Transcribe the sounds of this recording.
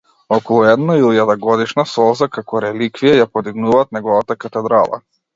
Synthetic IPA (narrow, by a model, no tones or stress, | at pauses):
ɔkɔlˠɔɛd̪nailˠijad̪aɡɔd̪iʃnasɔzakakɔɾɛlikvijajapɔd̪iɡnuvaːt̪nɛɡɔvat̪akat̪ɛd̪ɾalˠa̰